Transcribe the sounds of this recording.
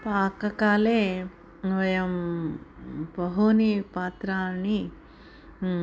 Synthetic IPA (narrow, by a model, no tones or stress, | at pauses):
paːkɐkaːleː | ʋɐjɐm | pɐɦonipaːt̪ɾaːni